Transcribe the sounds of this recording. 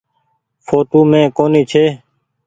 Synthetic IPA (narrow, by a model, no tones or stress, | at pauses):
fʰoːʈoːmẽːkoːniːt͡ʃʰeː